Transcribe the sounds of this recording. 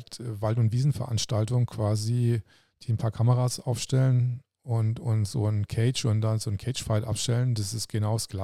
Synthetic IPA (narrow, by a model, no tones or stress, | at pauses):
tːvaltʊntv̥iːzn̩fɛɐʔanʃtaltʊŋkʰv̥aːzi | d̥iːnpʰaːɐkʰaməʁaːsʔaʊfʃtɛlən | ʔʊntʊntz̥oːnkʰɛɪt͡ʃʊnt̚d̥anzoːnkʰɛɪt͡ʃfaɪtʔa̰pʃtɛlənd̥asɪstɡ̥ənaʊsɡ̥la